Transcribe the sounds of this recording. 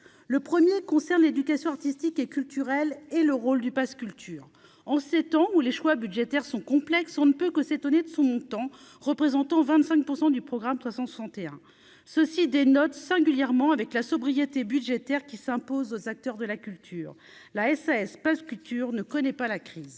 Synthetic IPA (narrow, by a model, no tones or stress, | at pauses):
ləpχəmjekɔ̃sɛʁnled̪ykasjɔ̃aʁt̪ist̪ikekʲylt̪yʁɛleləʁold̪ypaskʲylt̪ʰyːʁ | ɑ̃set̪ɑ̃uleʃwabyd̪ʒet̪ɛʁsɔ̃kɔ̃plɛksɔ̃nəpøkəset̪ɔned̪əsɔ̃mɔ̃t̪ɑ̃ | ʁəpχezɑ̃t̪ɑ̃vɛ̃t̪sɛ̃ŋk̚puʁsɑ̃d̪ypχɔɡʁamswasɑ̃swḁsɑ̃t̪eɛ̃ | səsid̪enɔt̪sɛ̃ɡʲyljɛʁmɑ̃avɛklasɔbʁijet̪ebyd̪ʒet̪ɛʁkʲisɛ̃pozozak̚t̪œʁd̪əlakʲylt̪ʰyːʁ | laɛsaɛspaskʲylt̪yʁnəkɔnɛpalakχiːz